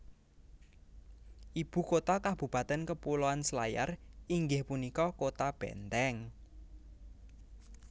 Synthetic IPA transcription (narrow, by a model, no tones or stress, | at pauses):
ʔib̥ṳkot̪akab̥ṳpa̤t̪ɛnkəpuloanslaja̰riŋɡɪhpunikɔkot̪ab̥ɛ̰nt̪ɛŋ